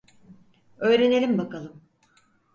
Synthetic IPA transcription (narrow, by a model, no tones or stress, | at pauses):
ø̞jɾe̞ne̞lʲimbakalˠɯm